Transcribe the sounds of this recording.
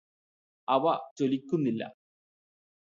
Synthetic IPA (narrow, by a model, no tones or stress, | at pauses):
ɐʋɐt͡ɕolikʲːunːilːɐ̰